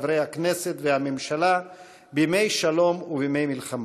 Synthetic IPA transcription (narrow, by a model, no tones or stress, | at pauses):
vɾejhakne̞se̞t̪vehamemʃala | bimejʃalo̞mubime̞jmilχam